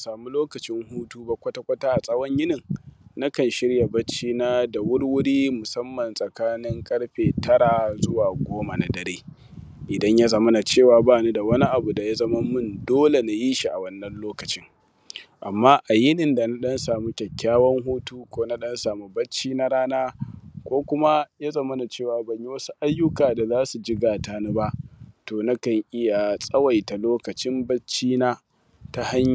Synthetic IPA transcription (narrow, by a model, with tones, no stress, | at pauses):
saː˨mu˦loː˦kɐ˨t͡ʃɪ˦ŋhuː˦tuː˦ba˦kʷɐ˦ta˦kʷɐ˦taː˦ʔa˨sʼɐ˦wɐ˦ɲjɪ˦nɪ˨ŋna˦kɐ˨nʃɪ˦ɽja˨bɐ˦t͡ʃːiː˦naː˦da˨wʊ˦ɽwʊ˦ɽiː˦mʊ˨sɐ˦mːɐ˨nsʼɐ˨kaː˦nɪ˦ŋkʼɐ˦ɽɸeː˨tʰɐ˦ɾaː˨zʊ˦waː˨ɡʷoː˦ma˨na˨dɐ˨ɾeː˦ | ʔɪ˨dɐ˦ɲja˦zɐ˦mɐ˦na˨t͡ʃeː˦˨waː˨baː˦˨ni˦da˨wɐ˦ni˦ʔa˨bu˨da˨ja˦zɐ˦mɐ˦mʊ˦ndoː˦le˨na˨jiː˦ʃi˨ʔa˨wɐ˦nːɐ˦nloː˦kɐ˨t͡ʃɪ˦ŋ | ʔa˨mːaː˦ʔa˨jɪ˦nɪ˨nda˨na˦ɗɐ˦nsaː˨mu˦kʲɛ˨kʲːaː˦wɐ˦ŋɦuː˦tuː˦kʷoː˦na˦ɗɐ˦nsaː˨mu˦bɐ˦t͡ʃːiː˦na˦ɽaː˦naː˦kʷoː˦kʷʊ˦ma˦ja˦zɐ˨mɐ˦na˨t͡ʃeː˦˨waː˨bɐ˨ɲji˦wɐ˦su˦ʔa˦jːʊ˦kaː˨da˨zaː˦su˨d͡ʒɪ˦ɡaː˨taː˨na˦ba˦ʔtoː˨na˦kɐ˨ŋʔɪ˦ja˨sʼɐ˦wɐ˨jta˨loː˦kɐ˨t͡ʃɪ˦mbɐ˦t͡ʃːiː˦naː˦ | ta˦ha˦ɲ˨